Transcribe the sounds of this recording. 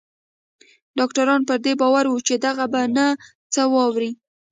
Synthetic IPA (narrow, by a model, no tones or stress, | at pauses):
ɖɑkʈaɾɑnpəɾd̪ebɑwaɾwut͡ʃed̪aɣabana | t͡səwɑwɾi